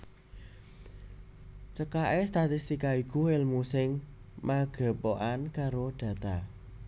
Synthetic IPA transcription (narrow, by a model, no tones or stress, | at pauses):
t͡ʃəkaʔest̪at̪ist̪ikaikuɪlmusɪŋ | maɡ̥ə̤poʔankaɾoɖ̥ä̤t̪a